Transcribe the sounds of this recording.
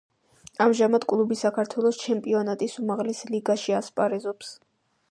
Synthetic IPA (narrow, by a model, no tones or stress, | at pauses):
amʒamad̪̥kʼlˠubisakʰaɾt̪ʰwɛlˠɔst͡ʃʰɛmpʼiɔnat̪ʼisumaʁlɛsliɡaʃiaspʼaɾɛzɔps